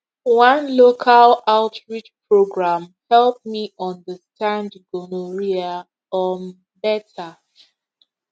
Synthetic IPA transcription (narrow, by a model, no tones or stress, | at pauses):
wãnlokʰalaʊtʰɹit͡ʃpʰɹoɡɹãmhɛlˠp̚miʔɔ̃ndəstãndɡɔnoɹia | ɔn | bɛtʰa